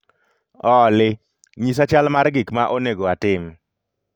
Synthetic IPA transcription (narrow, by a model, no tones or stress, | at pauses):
ɔlɪ | ɲis̬at͡ʃalmaɾɡɪkmaʔoneɡoatɪm